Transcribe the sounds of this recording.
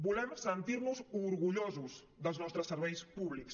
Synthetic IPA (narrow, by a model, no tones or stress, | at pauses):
bulɛmsent̪iɾnuzuɾɣuʎozus | ðəlznɔst̪ɾəsːəɾβɛjspuβliks